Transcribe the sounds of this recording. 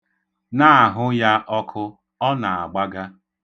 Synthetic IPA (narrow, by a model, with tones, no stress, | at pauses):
na˦a˨ɦʊ˦ja˦ʔɔ˦kʰʊ˦ | ɔ˦na˨a˨ɡ͡ba˦ɡa˦